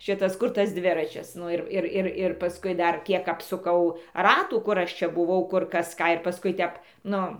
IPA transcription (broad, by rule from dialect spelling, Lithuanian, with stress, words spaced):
ˈʃʲɪtɐs ˈkʊr tɐs ˈdʲʋʲɪrɐt͡ʃʲɪs ˈnʊ ɪr ˈɪr ˈɪr ɪr pɐˈskʊɪ ˈdɐr ˈkʲiɛk ɐpsʊˈkɐʊ ˈrɑːtuː ˈkʊr ˈɐʃ ˈt͡ʃʲɛ bʊˈʋɐʊ ˈkʊr ˈkɐs ˈkɑː ɪr pɐˈskʊɪ ˈtʲɛp ˈnʊ